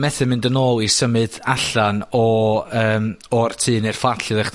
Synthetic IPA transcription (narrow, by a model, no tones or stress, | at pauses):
mɛθɨmɨndənoːlˠisəmɨðaɬanɔəːmɔrtʰɨːnɨrfatʰɨðɛχ